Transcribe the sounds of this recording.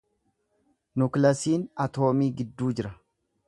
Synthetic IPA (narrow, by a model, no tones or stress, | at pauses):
nʊklɐsiːnɐt̪o̞ːmiːɡɪd̪ːuːd͡ʒɪɾɐ